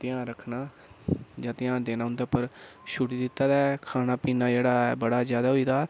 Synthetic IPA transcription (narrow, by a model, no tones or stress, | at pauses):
t̪ɪjãːnɾəkʰnaː | d͡ʒãːt̪ɪjãːnd̪eːnãːɦʊ̃nd̪aːpəɾʃʊʈiːd̪ɪt̪ːaːd̪aːkʰaːnaːpiːnaːd͡ʒeːɽaːbəɽaːzjaːd̪aːɦoiːd̪aː